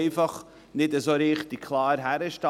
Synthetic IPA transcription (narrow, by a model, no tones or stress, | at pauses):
ɪfɑχ | nɪtəzoːɾiːχt̚dikʰlˠɑːɾɦæɾəʃtɑ